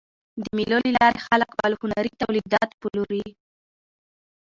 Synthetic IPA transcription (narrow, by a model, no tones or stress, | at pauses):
d̪əmilolilɑɾexaləkbalhʊnaɾit̪awlid̪ɑt̪pəluɾi